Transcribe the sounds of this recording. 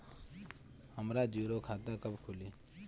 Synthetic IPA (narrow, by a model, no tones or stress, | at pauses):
həmɾad͡ʒuːɾokʰaːt̪akəbkʰuliː